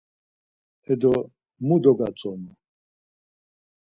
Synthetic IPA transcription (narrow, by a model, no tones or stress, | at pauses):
ɛdɔ | mudɔɡat͡sɔmɔ